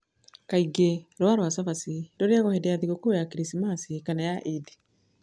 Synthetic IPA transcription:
kaiɡeɾwaɾwasavasidoɾeaɣɔhedɛaðiɣokoojakiɾisimasikanajaʔidi

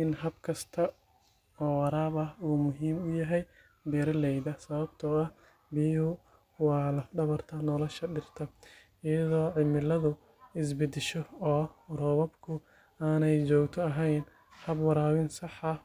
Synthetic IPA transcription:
ʔɪnɦɐbkʰɐst̪ʰɐ | ɔːwɑɾaːbɐhuːmʊɦiːmʊjɐɦɛj | b̪ɛːɾɐlɛjdɐsɐβɐbt̪ʰɔɐh | bijhʊ | wɑːlɐfɖɐβɐrt̪ʰɐnɔlɔʃɐɖɪrt̪ʰɐ | ɪjɐðɔːʕɪmɪlɐðʊ | ɪs̬bɪd̪ɪʃɔɔːrɔβɐbkʰʊ | aːnɛjt͡ʃɔːɡt̪ʰɔɐɦɛjn | hɐbwɑɾaːwɪnsɑħɐ

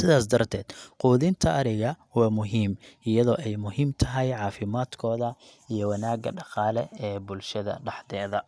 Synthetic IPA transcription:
sɪðaːsd̪ɐrt̪ʰɛːd̪̥quːðɪnt̪ʰɐʔɐɾɪɣɐ | wɑːmʊɦiːmʔɪjɐðɔːʔɛjmʊɦiːmt̪ʰɐɦɛjʕɑːfɪmaːd̪kʰɔːðɐ | ijɔwɑnaːɡɐ̰ɖɑqɑːlɛɛːbʊlʃɐðɐ̰ɖɑħd̪ɛːðɐ

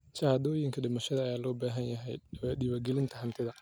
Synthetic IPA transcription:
t͡ʃɐhaːd̪ɔːjɪŋkʰɐɖɪmɐʃɐðɐːjaːlɔːbaːɦɐnjɐɦɛ̰jɗiːβɐɡɛlɪnt̪ʰɐɦɐmt̪ʰɪðɐ

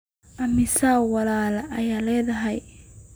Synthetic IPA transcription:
ʔɐmɪsaːwɑlaːlɐʔɐjaːlɛːðɐɦɛj

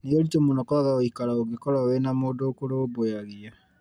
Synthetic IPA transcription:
nioɾitomonɔkɔɾaɣaoikaɾaoɡikɔɾawenamoːdoːkoɾoβwaɣia

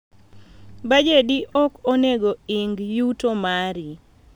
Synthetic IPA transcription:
bad͡ʒediʔɔkoneɡoɪŋɡjutomaɾi

